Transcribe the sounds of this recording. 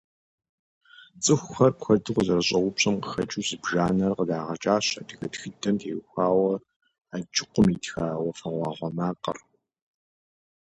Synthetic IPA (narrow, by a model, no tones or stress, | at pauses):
t͡sʼɨxʷxɐrpʷxʷɐdɨʁʷzɐrɕʼɐwʷʊpɕʼɐmqəxɐt͡ʃʼuːzɨbʒaːnɐrqədaːʁɐt͡ʃʼaːɕɐdɨɣɐtxɨdɐmtʰeːxʷaːwɐ | ad͡ʒɪqʷʊmitxaːwɐfɐʁʷɑːʁʷɔmaːqʼɐ̰r